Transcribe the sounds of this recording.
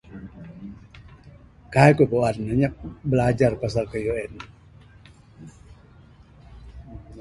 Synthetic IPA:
kaɦajkupoannəɲap̚bəlad͡ʒarpasalkəjoɛn

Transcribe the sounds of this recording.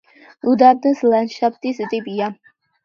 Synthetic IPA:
ud̪abd̪əslanʃap̚ʰt̪ʼist̪ʼibia

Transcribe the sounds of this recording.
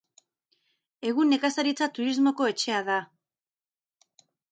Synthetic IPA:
e̞ɣune̞kasaɾit͡sat̪uɾizmo̞ko̞e̞t͡ʃe̞aða

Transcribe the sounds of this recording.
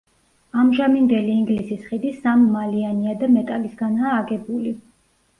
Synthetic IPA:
amʒamind̪ɛliːŋɡlisisχid̪isamːalianiad̪amɛt̪ʼalisɡanaːɡɛbuli

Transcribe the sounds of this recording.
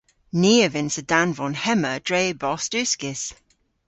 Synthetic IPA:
niːəvɪ̃nsədanvɔnhɛməd̥ɹeɪbɔstʉˑskɪs

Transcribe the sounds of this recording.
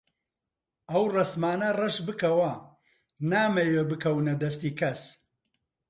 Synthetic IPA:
ɐwrɐsmaːnɐrɐʃbɨkɐwɐ | naːmɐjebɨkʰɐwnɐd̪ɐst̪iːkʰɐs

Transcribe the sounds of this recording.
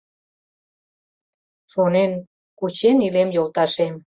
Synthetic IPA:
ʃonen | kut͡ɕenilemjolt̪ɑʃem

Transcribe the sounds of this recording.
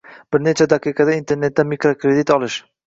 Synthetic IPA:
b̥ɪɾnet͡ʃʰad̪aqʰɨqʰɑd̪aint̪ʰe̞ɾne̞t̪ːamikɾokɾe̞d̪it̪ɒlˠɪʃ

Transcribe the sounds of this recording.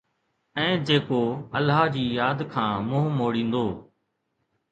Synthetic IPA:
ɛ̃ːd͡ʑeːkoːəlaːd͡ʑiːjaːd̪kʰãːmʊ̃ːɦmoːɽĩːnd̪oː

